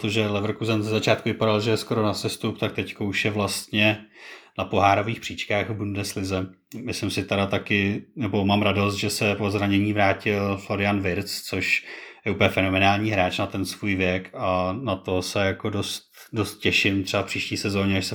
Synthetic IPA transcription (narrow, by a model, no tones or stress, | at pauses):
t̪oʒɛlɛvɾ̩kuzɛnzɛzat͡ʃaːt̪kuvɪpadalʒɛjɛsko̞ɾo̞nasɛst̪up̚t̪akt̪ɛckouʃjɛvlast̪ɲɛnapo̞ɦaːɾoviːxpr̥iːt͡ʃkaːxbundnɛslɪzɛ | mɪslɪmsɪt̪aɾat̪akɪnɛbo̞maːmɾado̞st̪ʒɛsɛpozɾaɲɛɲiːvɾaːcɪlflo̞ɾɪanvɪɾt͡st͡soʃjɛupəɲɛfɛnomɛnaːlɲiːɦɾaːt͡ʃnat̪ɛnsvuːjvjɛkanat̪o̞sɛjako̞do̞st̪ | do̞st̪̚cɛʃɪmt̪r̥ɛbafpr̥iːʃciːsɛzo̞ːɲɛaʃsɛ